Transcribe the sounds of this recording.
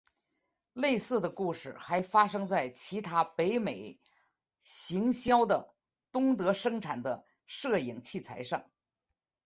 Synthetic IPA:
le˥˧ɪsɹ̩˥˩d̪ə˩ku˥˧ʂɻ̩˥˩xa˧˥ɪfa˥ʂɤ˥ŋt͡sa˥˩ɪt͡ɕʰi˧˥t̪ʰa˥pe˧˥ɪme˨˩ɪ | ɕi˧˥ŋɕjɑ˥ʊd̪ə˨ | t̪ʊ˥ŋt̪ɤ˧˥ʂɤ˥ŋʈ͡ʂʰa˨˩nd̪ə˦ | ʂɤ˥˩i˨˩ŋt͡ɕʰi˥˩t͡sʰa̰˧˥ɪʂɑ˥˩ŋ

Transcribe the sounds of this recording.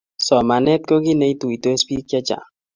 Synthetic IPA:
sɔ˨ma˨nɛ˦t̪̚ko˦ɡi˦ne˨i˦t̪u˨i˨t̪e˦spi˦kjɛ˦t͡ʃa̰˨

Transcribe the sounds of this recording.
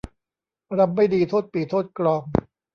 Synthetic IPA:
ɾa˧m̚ːa˥˩jdiː˧t̪ʰoː˥˩t̪̚piː˨˩t̪ʰːoː˥˩t̪̚kɾɔː˧ŋ

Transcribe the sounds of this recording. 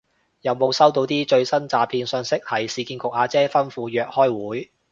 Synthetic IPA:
jɐ˨wmo˨˧wsɐ˥wt̪o˧wt̪iː˥t͡ʃɵ˧ɥsɐ˥nt͡saː˨pʰiː˧nsœː˧ŋsɪ˥k̚hɐ˨jsiː˨˧kiː˧nkʊ˨k̚haː˨˧t͡sɛː˥fɐ˥nfuː˧jœː˨k̚hɔː˥jwuː˨˥j

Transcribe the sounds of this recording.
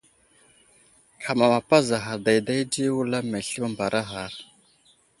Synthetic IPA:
kʰa˨ma˨ma˨pa˦za˨ɦa˨ɾda˨jda˦jd͡ʒi˦wu˦la˦me˨ɬi˦ma˦mba˨ɾʔa˦ɦa˨ɾ

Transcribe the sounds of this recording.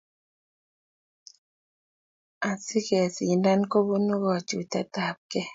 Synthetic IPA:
a˨sɪ˦kɛ˨si˨nda˦nko˦bu˦no˦ɡɔ˨t͡ʃu˨ta˦ta˨p̚kɛ˦

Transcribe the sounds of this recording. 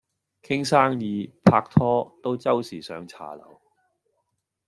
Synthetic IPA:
kʰɪ˥ŋsaː˥ŋjiː˨˧pʰaː˧k̚t̪ʰɔː˥t̪o˥wt͡sɐ˥wsiː˨˩sœː˨˧ŋt͡sʰa̰ː˨˩lɐ̰˨˩w

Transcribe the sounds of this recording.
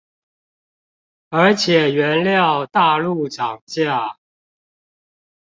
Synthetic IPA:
ə˞˧˥t͡ɕʰjɛ˨˩ɥɛ˨˧˦nljɑ˥˨ʊt̪a˥˧lu˥˨ʈ͡ʂɑ˨˩ŋt͡ɕja˥˩

